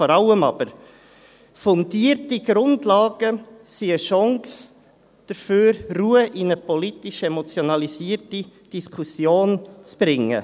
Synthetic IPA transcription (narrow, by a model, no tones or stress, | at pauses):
fɔɾɑləmɑb̥əɾ | fɔndiːəɾtiɡ̥ɾʊndlɑːɡ̥əsiəʃɑŋs | d̥əɾføːɾruːəʔinəpɔlitiʃɛmɔt͡sjɔnɑlisiːəɾtid̥iskʰusjoːnt͡sb̥ɾɪŋːə̰